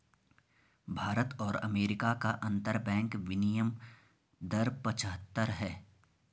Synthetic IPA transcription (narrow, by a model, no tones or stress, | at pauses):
bʱaːɾət̪ɔːɾɐ̰meːɾɪkakaʔɐ̃nt̪əɾbɛ̃ːŋkʋɪnijəm | d̪ɐɾpət͡ʃəɦət̪ːəɾɦɛː